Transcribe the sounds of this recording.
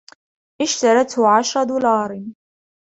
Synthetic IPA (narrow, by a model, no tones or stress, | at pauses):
ʔɪʃt̪ɑɾˤɑt̪hʕaʃɾˤɑd̪uːlɑːɾˤ